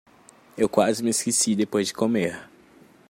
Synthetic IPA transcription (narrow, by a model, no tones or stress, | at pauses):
ewkwazɪmɪeskesid̪epojzd͡ʒɪkomeɾ